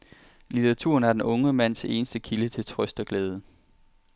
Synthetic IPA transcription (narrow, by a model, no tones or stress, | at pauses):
lit͡sʰɐʁɑ̈t͡sʰṵɐnæɐd̥enɔ̽ŋəmæn̰se̝ːnəsd̥əkʰilət͡sʰe̝lt͡sʰʁœsd̥ɒɡ̥lɛːð̞ˠə